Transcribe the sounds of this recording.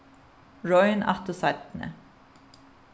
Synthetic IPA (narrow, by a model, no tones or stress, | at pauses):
ɹɔʏənʔɑ̰t̪əsɑɪt̪n̩ə̰